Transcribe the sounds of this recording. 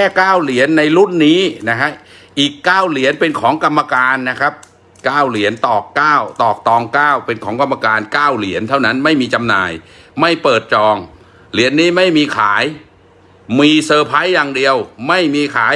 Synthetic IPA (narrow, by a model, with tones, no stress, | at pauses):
kʰɛː˥˩kaː˥˩wli˩˦ənːa˧jlu˥˩nːiː˦˥na˦˥kʰa˦˥ʔ | ʔiː˨˩kːaː˥˩wli˩˦ənpe˧nkʰɔː˩˦ŋka˧mːa˧kaː˧nːa˦˥kʰa˦˥p̚ | kaː˥˩wli˨˩˦ənt̪ɔː˨˩kːaː˥˩wt̪ɔː˨˩k̚t̪ɔː˧ŋkaː˥˩wpe˧nkʰɔː˩˦ŋka˧mːa˧kaː˧nkaː˥˩wli˩˦ənt̪ʰa˥˩wna˦˥nma˥˩jmiː˧t͡ɕa˧mnaː˧jma˥˩jpɤː˨˩t̪̚t͡ɕɔː˧ŋ | li˩˦ənːiː˦˥ma˥˩jmiː˧kʰaː˩˦j | miː˧sɤː˧pʰa˦˥jːaː˧ŋdi˧əwma˥˩jmiː˧kʰaː˩˦j